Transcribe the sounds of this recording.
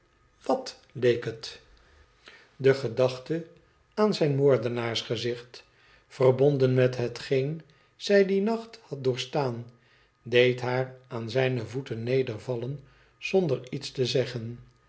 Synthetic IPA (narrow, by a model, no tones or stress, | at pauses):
ʋɑt | lejkət | dəχədɑχtə | aːnzɛjnmoːɹdənaːɹsχəzɪχt | fərbɔndənmɛtɦətχen | z̥ɛjdinɑχthɑt̚dʊːɹstaːn | dejtɦaːraːnzɛjnəvutənːejdəɹvɑlən | z̥ɔndəɹitstəzɛχən